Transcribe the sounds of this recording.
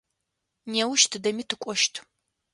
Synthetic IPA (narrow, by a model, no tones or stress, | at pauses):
neːwʊʃtʰɨdɐmiːtʰɨkʷʼɔʃtʰ